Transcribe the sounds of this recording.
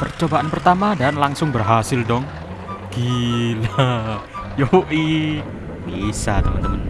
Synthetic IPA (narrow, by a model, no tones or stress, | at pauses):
pərt͡ʃobaʔanpərt̪amadanlaŋsʊŋbərɦasɪldɔŋ | ɡ̥ila | joʔi | bisa̰t̪əmənt̪əmən